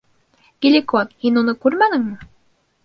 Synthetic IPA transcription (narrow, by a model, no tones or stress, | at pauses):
ɡ̥ʲilʲikot̪hinunɤkʉɾmænɘ̆ŋmɘ